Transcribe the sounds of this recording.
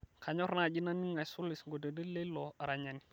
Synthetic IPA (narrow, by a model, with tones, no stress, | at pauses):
kʰa˨ɲɔ˦ɾna˦˨d͡ʒi˦na˦ni˦ŋa˨jsu˦li˨sŋɡo˨də˨də˦le˦lɔ˨ɾa˨ɲa˨ni˨